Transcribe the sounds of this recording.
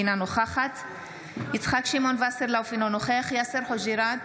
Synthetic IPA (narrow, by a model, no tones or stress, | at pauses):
inanoχaχat̪ | jit͡sχakʃimonvaseɾlawfinonoχeχjaseɾħoʒiɾa